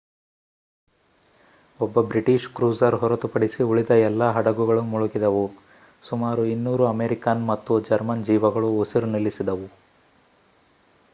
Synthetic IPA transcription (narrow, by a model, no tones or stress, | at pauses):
ɔbːɐbɾiʈiʃkɾuːsɐɾɦɔɾɐt̪upɐɽisiuɭid̪ɐɛlːaːɦɐɽɐɡuɡɐɭumuɭuɡid̪ɐʋu | sumaːɾuinːuːɾuɐmeːɾikaːnmɐt̪ːud͡ʒɐɾmɐnd͡ʒiːʋɐɡɐɭuːsiɾunilːisid̪ɐʋu